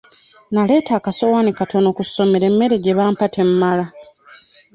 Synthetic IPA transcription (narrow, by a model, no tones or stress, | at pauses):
nale̞ːtaːkaso̞wanikato̞no̞kuso̞meɾe̞mːe̞ɾeɡeβaːmpatʰe̞mmala